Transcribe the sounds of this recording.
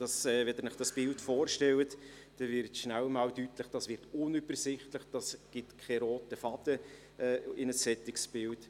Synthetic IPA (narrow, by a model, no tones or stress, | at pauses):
d̥ɑsɛːvɛdənɪχd̥ɑsb̥ɪltfoːrʃtɛlət | d̥ɛvɪɾtʃnælmɑːldytləχd̥ɑsvɪɾtʊnyb̥əɾsɪχtləχd̥ɑsɡ̥ɪtkʰɛɾoːtəfɑdə | ʔɛːɪnəsːɛtɪksb̥ɪlt